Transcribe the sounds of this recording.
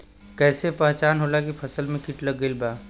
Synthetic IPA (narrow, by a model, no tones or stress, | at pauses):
kɛːsepɛɦt͡ʃaːnɦoːlakipʰɐsəlmẽkiʈlɐɡːəilbaː